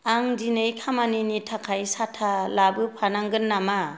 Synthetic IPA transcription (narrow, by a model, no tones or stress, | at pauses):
aŋdinɯjkʰamaninitʰakʰajsatʰalabɯpʰanaŋɡɯnːama